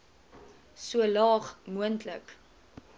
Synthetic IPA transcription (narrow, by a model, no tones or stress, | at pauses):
suəlɑːχmuəntʰlə̰k